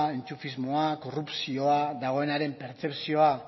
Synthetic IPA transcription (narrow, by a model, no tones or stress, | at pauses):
ent͡sufizmo̞ako̞rupsio̞aðaɣ̞o̞e̞naɾe̞mpe̞ɾt͡se̞psio̞a